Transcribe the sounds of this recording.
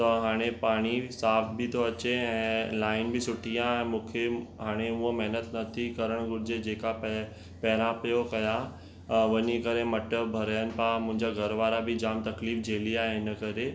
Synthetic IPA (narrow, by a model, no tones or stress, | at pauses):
t̪ɐɦaːɽ̃epaːɽ̃isaːfʰbʱɪt̪ʰoɐt͡ɕeɛ̃ːlaːɪnbʱɪsʊʈʰijãɛ̃mũːkʰeɦaːɽ̃euõmɛɦnət̪nɐt̪ʰikɐɾəɽ̃ɡʊɾɪd͡ʑed͡ʑeːkap | pɛɾãpijokɐja | ʋɐɲikɐɾemɐʈəbʱɐɾəjənɪ̆pãmʊ̃ɦɪ̃ɲd͡ʑaɡʱɐɾʋaːɾabʱɪd͡ʑaːmt̪ɐkliːfd͡ʑʱeːliaːɦeɪnəkɐɾe